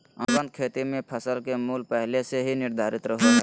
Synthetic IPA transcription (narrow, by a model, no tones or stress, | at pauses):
əpənd̪̚kʰet̪imẽpʰəsəlkemulpəɦleseɦiniɾd̪ʱaɾit̪ɾəɦo